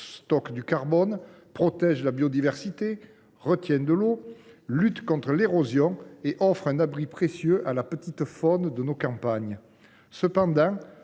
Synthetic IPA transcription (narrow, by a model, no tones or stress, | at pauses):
st̪ɔkd̪ykaʁbɔn | pχɔt̪ɛʒlabjod̪ivɛʁsit̪e | ʁət̪jɛ̃nd̪əlolyt̪kɔ̃t̪χəleʁozjɔ̃eʔɔfχɛ̃nabʁipχesjøʔalapət̪it̪fɔnd̪ənokɑ̃paɲ | səpɑ̃d̪ɑ̃